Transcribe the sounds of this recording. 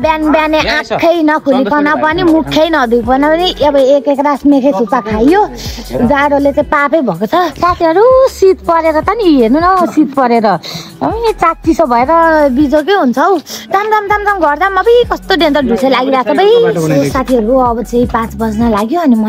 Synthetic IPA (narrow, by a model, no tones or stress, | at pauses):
bjanbjaneãpkʰːʌjnʌkʰulikʰʌnapʌnimukʰːʌjnʌd̪upʌnapʌniʌbʌekekrasmekʰejsʰupakʰajjo | d͡zaɽolet͡saĩpapʌjbʱʌkot͡sʰʌsat̪ʰiɦʌɾusit̪pʌɾeɾʌt̪ʌniɦernunʌsit̪pʌɾeɾʌ | t͡sak̚t͡sisʌbʱʌeɾʌbid͡zok̬eɦunt͡sʰʌwd͡zamd͡zamd͡zamd͡zamɡʌrd͡zamːʌbʌjkʌst̪oɖent̪ʌɖʱusʰʌlaɡiɾat͡sʰʌbʌjjosat̪ʰiʌɾuʌbʌt͡saĩpãt͡sbʌd͡znalaɡjoʌnimʌ